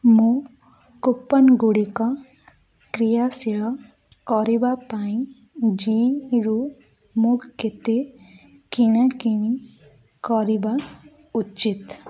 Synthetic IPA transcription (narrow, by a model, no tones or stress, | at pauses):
mũ | kupːənɡuɽikɔ | kɾijasiɭɔ | kɔɾibapaĩ | d͡ʒiɾu | muket̪e | kinakini | kɔɾiba | ut͡ʃit̪